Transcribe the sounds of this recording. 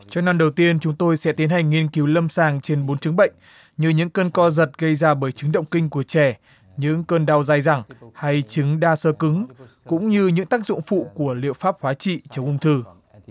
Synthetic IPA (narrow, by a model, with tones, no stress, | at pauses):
t͡ɕɔ˧na˧nɗə˨˩wt̪i˧ənt͡ɕʊ˨˦ŋ͡mt̪o˧jsɛ̰˧˥t̪i˨˦ənha˨˩jŋ̟ːŋi˧ənki˨˦wlə˧msaː˧˩ŋt͡ɕe˧nɓo˨˦nt͡ɕɨ˨˦ŋɓə̰˧˨jŋ̟ | ɲɨ˧ɲɨ̰˧˥ŋkəː˧nkɔ˧zə˨˩t̚ɣə˧jzaː˧ɓəː˧˩jt͡ɕɨ˨˦ŋɗə̰˧˨wŋ͡mkï˧ŋ̟ku˧˩ət͡ɕɛ˧˩ | ɲɨ̰˧˥ŋkəː˧nɗa˧wzaː˧jza˨˧˩ŋha˧jt͡ɕɨ˨˦ŋɗaː˧səː˧kɨ˨˦ŋkʊ̰˧˥ŋ͡mɲɨ˧ɲɨ̰˧˥ŋt̪aː˦˥k̚zʊ̰˧˨ŋ͡mfṵ˧˨ku˧˩əlḭ˧˨əfaː˦˥p̚hwaː˨˦t͡ɕḭ˧˨t͡ɕə˨˧wŋ͡mʔʊ˧ŋ͡mt̪ʰɨ˧˩